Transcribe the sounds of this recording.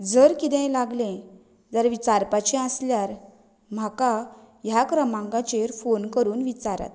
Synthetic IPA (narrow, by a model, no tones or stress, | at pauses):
d͡zəɾkit̪ɛ̃laɡlẽ | d͡zəɾʋit͡saɾpat͡ɕẽəsljaɾ | m̤aka | jakɾəmãŋɡat͡ɕeɾfonkəɾuːnʋit͡ɕaɾa̰t̪̚